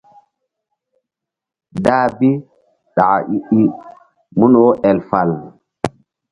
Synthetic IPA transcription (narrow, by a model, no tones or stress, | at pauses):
daːbi | ɗaa̰ʔiʔi | munɔʔɛlfal